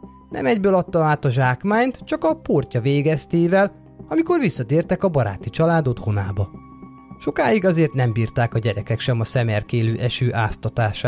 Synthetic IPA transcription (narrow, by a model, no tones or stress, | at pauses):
nʔɛ̰mɛɟbøːlɒt̪ːɒaːt̪ɒʒaːkmaːɲt̪t͡ʃɒkɒporcɒveːɡɛst̪eːvɛl | ɒmiko̞rvisːɒt̪eːrt̪ɛkɒbɒɾa̰ːt̪it͡ʃɒlaːd̪o̞t̪honaːbɒ | ʃo̞kaːiɡɒzeːrt̪nɛmbiːrt̪aːkɒɟɛɾɛkɛkʃɛmɒsɛmɛrkeːløːʔɛʃøːʔaːst̪ɒt̪aːʃaː